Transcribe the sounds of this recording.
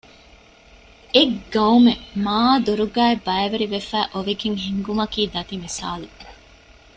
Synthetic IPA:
eɡɐumemaːd̪uɾuɡæːebɐeʋɐɾiʋefæːʔoʋeɡeŋɦiŋɡumɐkiːd̪ɐt̪imisaːlu

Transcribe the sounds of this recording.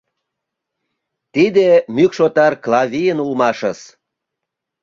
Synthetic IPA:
t̪id̪emykʃot̪ɑrklɑvʲijənulmɑʃəs

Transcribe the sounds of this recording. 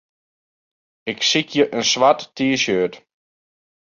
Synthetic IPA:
ɪksikʰjəʔənsʋatːiəʃøːt

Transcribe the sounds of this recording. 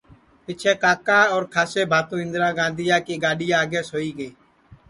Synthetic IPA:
pɪt͡ʃʰeːkaːkãːɔːɾkʰaːseːbʱaːt̪õːɦɪ̃nd̪ɾãːɡãːnd̪ʱɪjãːkeːɡaːɗiːjaːɡeːsoːiːɡəeː

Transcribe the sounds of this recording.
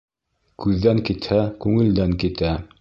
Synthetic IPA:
kʉðːæŋkit̪hækʉŋɘ̆ld̪æŋkit̪æ

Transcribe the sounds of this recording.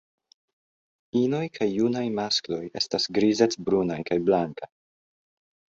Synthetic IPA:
inojkʰajːunajmasklo̞je̞̰stasɡɾizet͡ssbɾunajkajblaŋkaj

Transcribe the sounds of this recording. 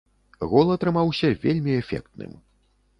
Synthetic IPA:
ɣɔlˠɐt̪ɾɨmawsʲɐvʲelʲmʲiɛfʲɛ̰kt̪nɨ̰m

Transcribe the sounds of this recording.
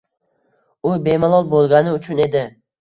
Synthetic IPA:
ʊbe̞malˠɒlˠbolˠɡʲanɪʊt͡ʃʰʊne̞d̪ɪ

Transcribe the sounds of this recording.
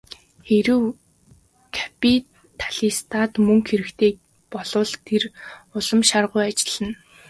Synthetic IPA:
xeɾɘ̆w | kʰḁpʰit | t̪ʰḁɮ̥ist̪ʰat̪mɵŋxeɾɘ̆kt̪ʰeː | pɔɮʊːɮt̪ʰerʊɮə̆mʃarʁʊjat͡ɕɪ̥̆ɮə̆n

